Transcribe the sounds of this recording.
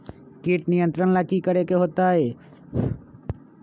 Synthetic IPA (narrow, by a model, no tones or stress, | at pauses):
kiʈnijə̃nt̪ɾənlakikəɾekeɦoːt̪aɦeː